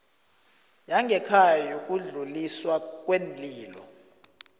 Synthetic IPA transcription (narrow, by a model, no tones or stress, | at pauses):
jaŋɡʱɛkʰajajok̬ʼuɮuliswak̬ʼwend͡ɮiːlɔ̰